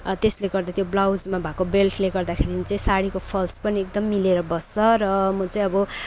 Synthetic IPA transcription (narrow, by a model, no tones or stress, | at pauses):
t̪esleɡʌrd̪at̪joblawd͡zmabʱakobelʈʰleɡʌrd̪akʰeɾinit͡sʌĩsaɽikopʰʌlspʌniek̚d̪ʌmːileɾʌbʌst͡sʌɾʌmʌt͡sʌĩʌbʌ